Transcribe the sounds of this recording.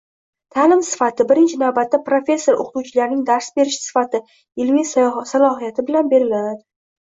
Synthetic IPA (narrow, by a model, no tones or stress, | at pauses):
t̪ʰalɪmsɪ̥fat̪ʰɪbɪɾɪnt͡ʃʰɪnavbat̪ːapɾofʲe̞sːo̞ɾʔo̰qt̪uwt͡ʃʰɪlaɾnɪŋd̪aɾsbe̞ɾɪʃsɪ̥fat̪ʰɪ | ɪlmisalˠɒɦijat̪ʰɪbɪlanbe̞ɾɪlad̪ɪ